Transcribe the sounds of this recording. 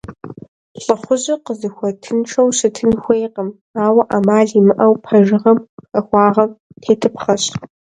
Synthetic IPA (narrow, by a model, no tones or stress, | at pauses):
ɬʼɨχʷʊʑɐqəzɨxʷɔtʰɨnʈ͡ʂʰɐwɕɪtʰɨnxʷejqəm | aːwɐʔamaːɮimɨʔɐwpʰɐʒɨʁɐmɐxʷɑːʁɐm | tʰeːtʰɨpχɐɕt